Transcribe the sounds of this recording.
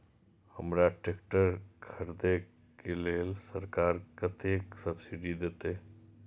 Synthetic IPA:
hɐmɾaʈeːkʈəɾkʰɐɾd̪e | keleːlsɐɾkaːɾkɐt̪ʰeːksɐbsɪɖid̪eːt̪eː

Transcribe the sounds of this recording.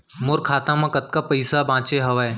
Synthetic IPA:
moɾkʰaːt̪ãmãkɐt̪̚kapɐɪsabãːt͡ʃeɦɐʋae

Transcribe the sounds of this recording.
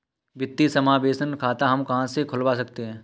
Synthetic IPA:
ʋɪt̪ːisɐmaːbeːsənkʰaːt̪aɦɐmkɐɦãsekʰʊlʋasɐk̚t̪eɦɛ̃ː

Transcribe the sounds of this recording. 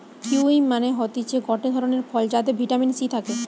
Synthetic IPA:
kuimːaneɦɔt̪it͡ɕʰeɡɔʈed̪ʱɔɾoneɾfɔld͡ʑat̪̬ebʱiʈaminsit̪ʰake

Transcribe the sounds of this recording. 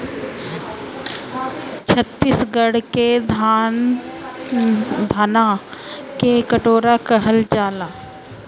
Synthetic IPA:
t͡ʃʰət̪ːisɡəɽked̪a | d̪ʱaːnakekəʈoːɾakəɦəld͡ʒaːlaː

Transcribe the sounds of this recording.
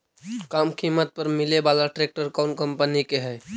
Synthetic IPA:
kaːmkʰimət̪̚pəɾmɪlebalaʈɾek̚ʈəɾkaʊnkəmpənikeɦɛj

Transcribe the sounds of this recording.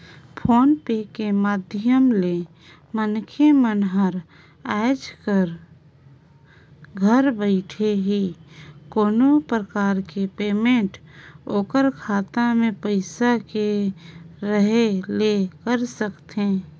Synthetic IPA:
pʰoːnpekemaːd̪ʱɪjəmle | mənkʰemənɦəɾ | aːd͡ʒkəɾ | ɡʱəɾbəɪʈʰeɦikoːnopɾəkaːɾkepeːmẽːɳʈoːkəɾkʰaːt̪amẽpəɪsake | ɾəɦelekəɾsəkt̪ẽː

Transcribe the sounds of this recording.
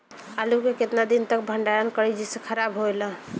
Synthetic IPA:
alukeket̪nad̪int̪ək̚bʱəɳɖaɾənkəɾid͡ʒisekʰəɾabɦoelə̃

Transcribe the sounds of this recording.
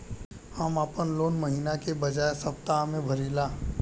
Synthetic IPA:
həmaːpənloːnmɐɦinakebɐd͡ʒaːesɐpt̪aɦmẽbʱɐɾiːlaː

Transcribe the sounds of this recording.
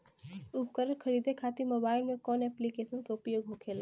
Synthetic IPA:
ʊbkəɾəɾkʰɐɾiːd̪ʱekʰaːt̪imoːbaːɪlmẽkɔːnɛːplikeːʃənkaʊpjoːɡɦokʰeːlaː

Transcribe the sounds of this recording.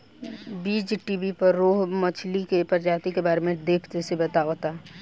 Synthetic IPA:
biːd͡ʒʈibipəɾːoːɦmət͡ʃʰlikepəɾd͡ʒaːt̪ikebaːɾemẽd̪eːpʰt̪esebət̪aːʋt̪a

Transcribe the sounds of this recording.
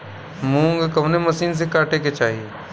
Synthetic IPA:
mũːŋɡkɐʋnemɐsiːns̬ekaːʈeket͡ʃaːɦi

